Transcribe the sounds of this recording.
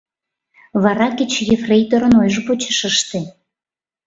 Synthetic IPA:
βɑɾɑket͡ɕjefrejt̪oɾənojʒəpot͡ɕəʃəʃt̪e

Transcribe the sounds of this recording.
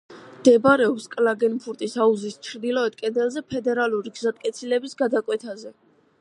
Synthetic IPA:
d̪̥ɛbaɾɛɔpskʼlaɡɛnpʰuɾt̪ʼisauzist͡ʃʰɾd̪ilˠɔɛd̪̚kʼɛd̪ɛlˠzɛpʰɛd̪ɛɾalˠuɾiɡzat̪ʼkʼɛt̪sʰilɛbisɡad̪akʼwɛt̪ʰazɛ

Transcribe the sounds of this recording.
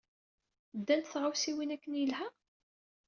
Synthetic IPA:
d̪ːænt̪θʁawsiwinækːənjəlhæ

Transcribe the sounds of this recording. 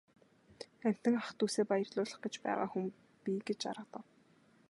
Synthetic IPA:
æm̥ʲt̪ɘ̆ŋaχt̪uːseːpajirɮʊːɮə̆χɡet͡ɕpæ̰ːʁa̰ːxum | piɡet͡ɕa̰ɾə̆t̪ə̆w

